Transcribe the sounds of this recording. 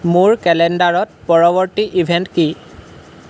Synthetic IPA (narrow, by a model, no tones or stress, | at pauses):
muɹkɛlɛndaɹɔt̚pɔɹɔbɔɹtiʔibʱɛntki